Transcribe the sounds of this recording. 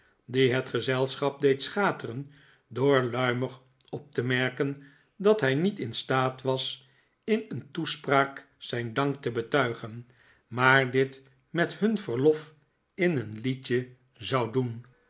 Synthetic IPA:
diɦətχəzɛlˠsχɑp̚dejtsχaːtərən | dʊːɹlœɥmər | ɔp̚təmɛɹkən | dɑtɦɛjnitɪnstaːtʋɑs | ɪnəntuspraːk | sɛjndɑŋk̚təbətœɥχən | maːɹdɪt | mɛthɵnvəɹlɔf | ɪnənlit͡ʃə | zɑwdun

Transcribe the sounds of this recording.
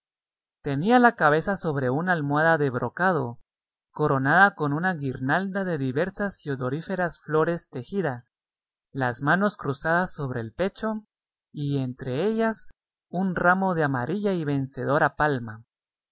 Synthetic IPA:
t̪e̞nialakaβe̞saso̞βɾe̞unaalmwaðaðe̞βɾʔo̞kað̞o̞ | ko̞ɾo̞naðako̞nunaɣiɾnald̪aðe̞ðiβe̞ɾsasjoðo̞ɾife̞ɾasflo̞ɾe̞st̪e̞xiða | lazmano̞skɾusaðasːo̞βɾe̞ːlpe̞t͡ʃo̞ | ie̞nt̪ɾe̞e̞ʝas | unramo̞ðeamaɾʔiʝaiβe̞nse̞ð̞o̞ɾapalma

